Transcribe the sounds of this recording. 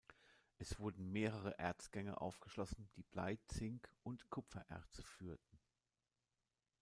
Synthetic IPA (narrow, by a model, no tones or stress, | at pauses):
ʔɛsv̥ʊɐdn̩meːʁ̞əʁ̞əʔɛɐt͡sɡ̥ɛŋɐ̰ʔa̰ʊfɡ̥əʃlɔsn̩d̥iːb̥laɪt͡sɪŋkʔʊntkʰʊpfɐʔɛ̰ɐt͡sə̥fyːɐtn̩